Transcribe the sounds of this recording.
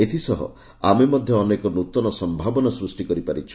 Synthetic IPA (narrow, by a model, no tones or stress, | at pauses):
et̪ʰisɔɦɔ̰ | a̰memɔd̪ʱjɔːnekɔnut̪ɔnɔsɔmbʱabɔnasɾusʈikɔɾipaɾit͡ʃʰi̥